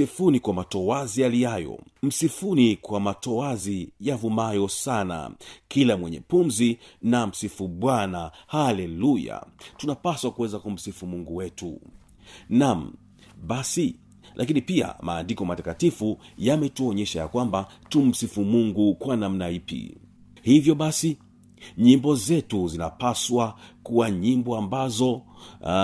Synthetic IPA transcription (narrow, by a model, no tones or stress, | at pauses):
ifunikwamatɔwazijalijajɔ̰m̩sifunikwamatɔwazijavumajɔsana̰kilamwɛɲɛ̰pumzinam̩sifuɓwanahalɛluja̰tunapaswakuwɛzakum̩sifumuŋɡuwɛtṵ | nam̩ | ɓasi | lʔakinipia̰ma̰ːndikɔmatakatifujamɛtuɔɲɛʃaja̰kwambatum̩sifumuŋɡukwanam̩naipḭ | hivjɔɓasi | ɲimbɔzɛtuzina̰paswakuwaɲimbɔambazɔ